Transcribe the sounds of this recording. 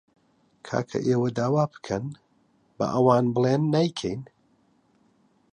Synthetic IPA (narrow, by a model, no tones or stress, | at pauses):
kʰa̰ːkʰɐ̰ʔeːwɐd̪aːwaːbɨ̥kʰɐn | bɐ̰ʔɐwaːnbɨlˠeːnːajkʰɛjn